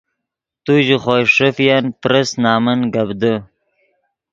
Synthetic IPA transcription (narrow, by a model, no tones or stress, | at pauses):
t̪uʑiχoːʂəfjanpɾəsnɑːmənɡabd̪ə